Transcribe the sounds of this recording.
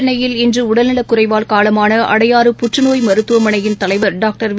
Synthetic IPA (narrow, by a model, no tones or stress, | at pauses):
nɐjɪlɪndrɯʊɽɐlnɪlɐkːʊɾrɐɪʋaːlkaːlɐmaːnɐʔɐ̰ɽɐjaːɾɯpʊʈrɯnoːjmɐɾɯt̪ːɯʋɐmɐɳɐjɪnt̪ɐlɐɪʋɐɾɖaːk̚ʈɐɾʋ